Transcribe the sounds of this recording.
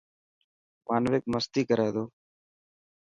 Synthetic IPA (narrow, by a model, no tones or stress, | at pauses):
paːnʋeːk̚məst̪iːkəɾaːd̪oː